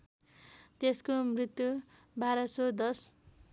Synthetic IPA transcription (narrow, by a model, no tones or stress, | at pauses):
t̪eskomrit̪ju | bʱaɾʌsod̪ʌs